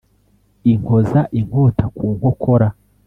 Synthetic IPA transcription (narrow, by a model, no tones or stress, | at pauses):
iŋɡo̞zaʔiŋɡo̞ːtʰakʰuːŋɡokʰo̞ɾa